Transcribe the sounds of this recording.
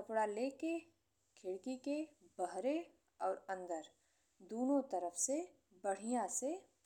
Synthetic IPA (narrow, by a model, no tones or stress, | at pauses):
kəpɽaleːke | kʰɪɽkikebəɦɾe | ɔːɾɐ̃nd̪əɾ | d̪oːnõt̪əɾəfse | bəɽ̤ijãse